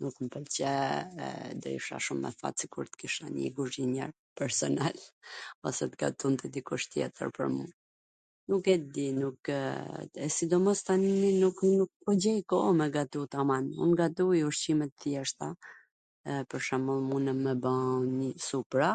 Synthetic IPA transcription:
nukmpəlt͡ɕɛɛ̰d̪ɾḭʃa̰ʃumːɛ̰fa̰t̪sikuɾt̪ə̥kiʃa̰ɲḭɡuʒiɲɛ̰ɾ | pɛɾsɔnalɔsɛt̪ɡa̰t̪unt̪ɛd̪ikuʃt̪jɛ̰t̪ə̰ɾpə̰ɾmṵ | nukɛt̪d̪inuk | ɛsid̪ɔmɔst̪anininuknuk̚pɔɟɛjkɔmɛɡat̪ut̪amanṵnɡat̪ujuʃt͡ɕimɛt̪θjɛʃt̪a | pəɾʃamɔlˠmunəmɛbansupɾa

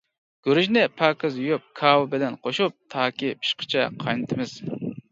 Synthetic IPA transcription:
ɡ̥øɾɪʒnɪpʰɑːkɨzjujup̚kʰɑːwɨbɪlɛnqʰoʃup̚t̪ʰɑːkʲipʰi̥ʃqʰə̥t͡ʃʰɛqʰɑjnɨt̪ʰɪmɪz̥

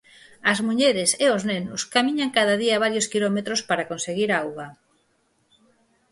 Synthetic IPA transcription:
ɐzmuʎeɾeseoznenʊskamĩɲaŋkaðaðiaβ̞aɾjoskilɔmet̪ɾospaɾakonseɣiɾawɣa

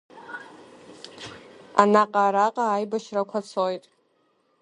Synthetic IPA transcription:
a̰naqʼaɾaqʼaːjbaʃrakʷʰat͡sʰojtʼ

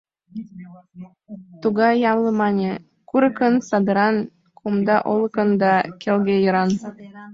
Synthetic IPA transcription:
t̪uɣɑjːɑmlˠɤ̆mɑnʲe | kuɾɤ̆kɤ̆nsɑd̪ɤ̆ɾɑn | kʰumd̪ɑʔolˠɤ̆kɤ̆nd̪ɑkʲelɡʲejɤ̆ɾɑn

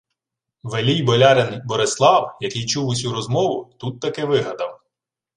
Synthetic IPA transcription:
ʋelʲijbɔlʲɑɾenbɔɾɪslˠɑwjɐkijt͡ʃuwʊsʲuɾɔzmɔʋʊt̪ut̪ːɐkɪʋɪɦɐd̪ɐm

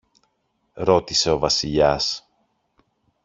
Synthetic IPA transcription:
ɾo̞t̪ise̞o̞vɐsiʎɐs

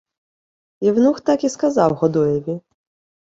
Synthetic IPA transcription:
iwnuxt̪akiskazɑwɣɔd̪ujɛʋʲi

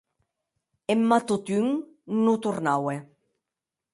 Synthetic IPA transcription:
emːat̪ut̪yŋ | nut̪uɾnawe

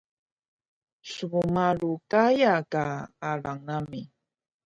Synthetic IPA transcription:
suβumaɺukajakaːɾaŋnami

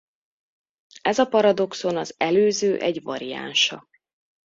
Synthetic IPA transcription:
ɛzɒpɒɾɒd̪o̞kso̞nɒzɛløːzøːʔɛɟvɒ̰ɾija̰ːnʃɒ

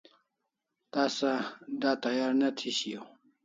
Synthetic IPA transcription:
t̪ɑsad̪ɑt̪ajɑɾnat̪ʰiɕio

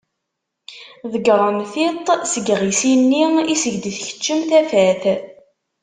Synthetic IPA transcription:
ðəɡɾˤəmθit̪ˤsəɡʁisinːiisəʝd̪iθçə̥t͡ʃːəmθæfæθ

